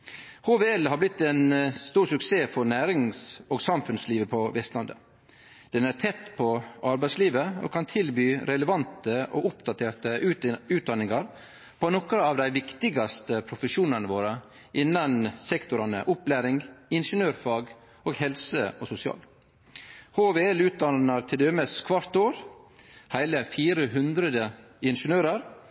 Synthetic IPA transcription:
hoːʋeːɛlhɑɾblɪt̪ːɛnst̪uːɾsʉkseːfɔɾnæːɾɪŋsoːɡsɑmfʉnsliːʋəpʰɔʋɛst̪lɑnd̪ə̰ | d̪̥ɛnæɾʈ̪ʰɛt̪ːpʰɔʔɑɾbæɪsliːʋəo̰kʰɑnt̪ʰɪlbyːɾɛləʋɑnt̪əʔo̰ʔʊpd̪ɑt̪ʰeːʈəʉʉːt̪̚d̪ɑnːɪŋɑɾ | pʰɔnɔkəɑːʋd̪æɪʋɪkt̪ɪɡɑst̪əpʰɾʊfəʂuːnɑnəʋoːɾə | ʔɪnːɑnsɛkt̪ʊɾɑnə̰ʔʊplæːɾɪŋɪnʂənøːɾfɑːɡ | oːɡhɛlsəosʊsɪɑ̰ːl | hoːʋeːɛlʉːt̪̚d̪ɑnɑɾt̪ʰɪld̪eːməskʰʋɑɾt̪oːɾ | hæɪləfiːɾəɦʉnd̪ɾəd̪ə | ɪnʂənøːɾəɾ

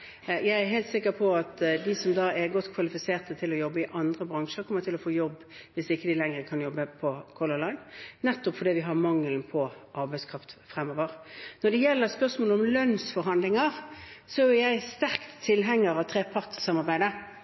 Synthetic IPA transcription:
jæɪæɾɦæɪlt̪sɪkːəɾpʰɔɑt̪d̪ɪsɔmd̪ɑːɛɾɡɔt̪ːkʰʋɑlɪfɪseːʁt̪ət̪ʰɪlɔjɔbːəɪʔɑnd̪ʁəbʁɑŋʂəɾkʰɔmːəɾt̪ɪlɔfoːjɔbːʋɪsɪkːəd̪ɪlɛŋʁəkʰɑnjɔbːəpʰɔkʰɔləlɑɪnnɛt̪ːɔpfɔd̪iːʋɪɦɑʁmɑŋːəlnpʰɔʔɑɾbæɪskʰʁɑft̪fʁɛmːoːʋəʁnɔd̪ɛjɛlːəɾspœʁsmoːlɔmlœnsfɔɾhɑnd̪lɪŋəʁsɔæjæɪst̪æɾkt̪ʰːɪlɦɛŋːəɾɑʋt̪ʰɾeːpʰɑʁt̪sɑmɑɾbæɪd̪ə

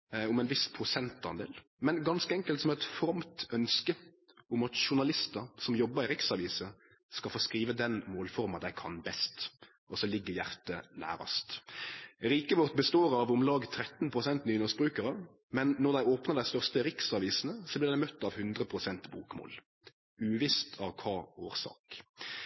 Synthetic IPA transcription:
ʊmɛnʋɪspʰɾʊsɛnt̪ɑ̰nd̪ḛːl | mɛnɡɑnskəɛŋkəlt̪sɔmɛt̪fɾɑmt̪œnskə | ʊmɑt̪ʃʊɳɑlɪst̪əɾsɔmjɔbːəɾɪɾɪksɑʋiːsə | skɑlfoːskɾiːʋəd̪ɛnmoːlfɔʁmɑd̪æɪkʰɑ̰nbɛst̪ | ɔsɔlɪɡːəjæʁt̪ənæ̰ːɾɑ̰st̪ | ɾiːkəʋɔʁt̪bəst̪oːɾɑʋʊmlɑːɡt̪ʰɾɛt̪ːn̩pʰʁʊsɛnt̪nyːnɔsbɾʉːkəɾə | mɛnːɔʁd̪æɪoːpnəʁd̪æɪst̪œʁst̪əɾɪksɑʋiːsn̩əsɔblɪʁd̪æɪmœt̪ːɑʋhʉnd̪ʁəpʰʁʊsɛnt̪buːkmo̰ːl | ʉːʋɪst̪ʰɑʋkʰɑːoːʁsɑ̰ːk

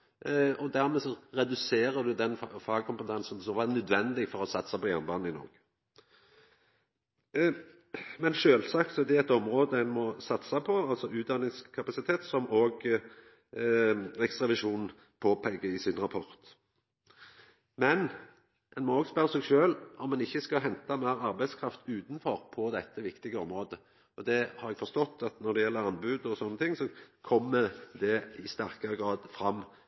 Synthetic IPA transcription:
ɔd̪æʁmɛsɔʁɛd̪ʉseːʁəd̪ʉd̪ɛnfɑːɡkʰɔmpət̪ʰɛnsn̩d̪sɔʋɑnœd̪ʋɛnd̪ɪɡfɔʁɔsɑt̪ːsɑpɔjæʁnbɑːnn̩ɪnɔ̰ːɡ̥ | mɛnʃøːlsɑkt̪sɔɛd̪ɛæt̪ɔmʁoːd̪əɛnmɔsɑt̪sɑpʰɔɑlsɔʉːt̪̚d̪ɑnɪŋskʰɑpɑsɪt̪ʰeːt̪sɔmoːɡ | ɛksʁɑʋɪʃuːnn̩ | pʰoːpʰɛɡːəɪsɪnʁɑpʰɔɾt̪ | mɛn | ɛnmɔoːɡspœɾəsɛːɡʃøːlʔɔmːɛnɪçːəskɑɦɛnt̪ɑmæːɾɑɾbæɪskʰɾɑft̪ʉːt̪n̩fɔʁpʰɔd̪ɛt̪ːəʋɪkt̪ɪɡəɔmɾoːd̪ə | ɔd̪ɛhɑɾɛɡ̥fɔʂt̪ɔt̪ːɑt̪nɔɖ̪ɛjɛlːəɾɑnbʉːd̪əɔsɔnːət̪ʰɪŋːsɔkʰɔmːəd̪ɛɪst̪æʁkɑɾəɡɾɑːd̪fɾɑmː

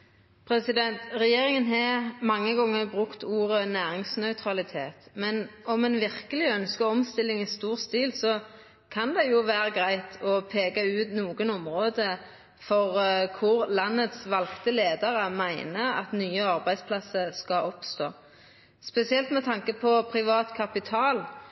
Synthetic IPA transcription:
pʰɾɛsɪd̪ɛnt̪ʁɛjeːɾɪŋənɦɛmɑŋːəɡɔŋːəbʁʉkt̪uːʁənæːʁɪŋsnœʏt̪ʰɾɑlɪt̪ʰeːt̪mɛnɔmɛnʋɪʁkəlɪœnskəɔmst̪ɪlːɪŋɪst̪uːʁst̪iːlsɔ | kʰɑnd̪ɛjʊʋæːɾəɡʁæɪt̪ʰɔpʰeːɡɑʉːt̪nuːɡənɔmʁoːd̪ə | fɔʁkʰʊʁlɑnːət̪sʋɑlkt̪əleːd̪əʁəmæɪnəɑ̰t̪nyːəɑʁbæɪspʰlɑsəskɑʔɔpst̪oː | spɛsɪɛlt̪mɛt̪ʰɑŋkəpʰɔpʰɾɪʋɑːt̪kʰɑpɪt̪ʰɑːl

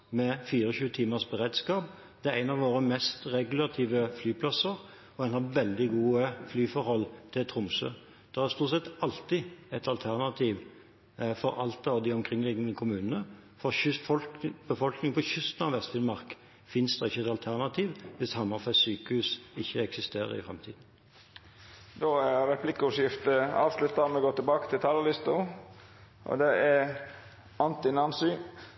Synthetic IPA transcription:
mɛfiːɾəçʉːət̪ʰiːməsbəʁeːd̪skɑːp | d̪̥ɛæʁæɪnɑʋʋoːɾəmɛst̪ʁɛɡʉl̩ɑt̪ʰiːʋəflyːpʰlɑsəʁ | ɔɛnhɑʋɛld̪ɪɡuːəflyːfɔɾhɔlːt̪ʰɪlt̪ʰɾʊmsø̰ː | d̪̥ɛʁæʁst̪uːt̪sɛt̪ɑlt̪ɪɛt̪ɑlt̪ʰæʁnɑt̪ʰiːʋ | fɔɾɑlt̪ɑʋd̪ɪɔmkʰʁɪŋːlɪɡənəkʰʊmʉːnənə | fɔfɔlb̥əfɔlknɪŋpʰɔçʏst̪n̩ɑʋʋɛst̪fɪnmɑʁk | fɪnsd̪̥ɑɪçːəɛt̪ɑlt̪ʰæʁnɑt̪ʰiːʋʋɪshɑmːɑfæsyːkəhʉːsɪçːəɛksɪst̪eːʁə̰ʁɪ̰fʁɛ̰mt̪ʰḭːd̪n̩ | d̪oːæɾɾɛpʰlɪkːəʊʂjɪft̪əɑ̰lt̪lɛt̪d̪ɑːɾmɛɡoːʈ̪ɪlbɑːkət̪ʰɪlt̪ʰɑːləlɪst̪ə | ʔɔ̰d̪ɛæɾ | ʔɑnt̪ɪnɑnsɪ

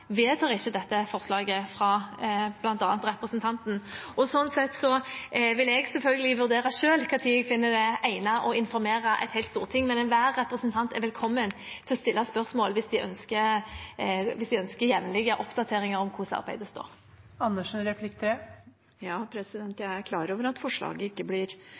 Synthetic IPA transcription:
ʋeːt̪ʰɑːʁɪçːəd̪ɛt̪ːəfɔʁslɑːɡəfɾɑb̥lɑnt̪ɑːnt̪ɾɛpɾəsənt̪ʰɑnt̪nɔsɔnːsɛt̪sɔʋɪlɛɡsɛlfœlɡəlɪʋʉɾd̪eːɾɑʃøːlkʰɑt̪ʰiɛɡfɪnːəd̪ɛʔæɪnɑʔɔɪnfɔɾmeːɾɑʔæ̰ɪt̪hæɪt̪st̪uːʁt̪ʰɪŋːmɛnɛnʋæːʁːɛpɾʁəsənt̪ʰɑnt̪ɛɾʋɛlkʰɔmːənt̪ʰɪlɔst̪ɪlːɑspœɾsmoːlʋɪsd̪ɪʔœ̰nskəɾ | ʋɪsd̪ɪœnskəɾjɛʋnlɪɡːəʔɔpd̪ɑt̪ʰeːɾɪŋəɾɔmkʰʊsɑ̰ɾbæɪd̪əst̪o̰ːɾ | ɑnːəʂənɾɛpʰlɪkt̪ʰɾɛ | jɑːpʰɾɛsɪd̪ɛnt̪jæɪæɾkʰlɑːɾoːʋəɾɑt̪fɔʂɭɑ̰ːɡəɪkːəblɪɾ

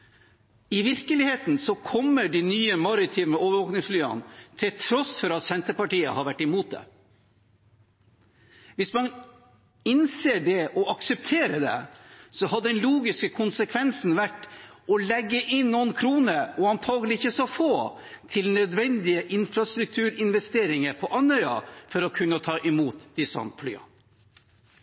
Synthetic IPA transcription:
ɪʋɪɾkəlɪheːt̪n̩sɔkʰɔmːəɖinyːəmɑɾɪt̪ʰɪməoːʋəɾʋoːknɪŋsflyːə̰nt̪ʰɪlt̪ʰɾɔsfɔɾɑt̪sɛnt̪əpɑʈiːə̰hɑɾʋæʈːɪmuːt̪̚d̪ɛ̰ | ʋɪsmɑn | ɪnseːɖɛʔɔʔɑksɛp̚t̪ʰeːɾəd̪ɛ̰sɔɦɑd̪əd̪ɛnluːɡɪskəkʰʊnsəkʰʋɛnsn̩ʋæʈːʔɔlɛɡːəʔɪnːɔnkʰɾuːnəɾɔɑnt̪ʰɑːɡəlɪɪçːəsɔfoː | t̪ʰɪlnœd̪ʋɛnd̪ɪəʔɪnfɾɑst̪ɾʉk̚t̪ʰʉːɾɪnʋɛst̪eːɾɪŋəɾpʰɔʔɑnhœʏɑ̰fɔɾɔkʰʉnːət̪ʰɑːʔɪmuːt̪d̪̥ɪsɑ̰nfly̰ːɑ̰

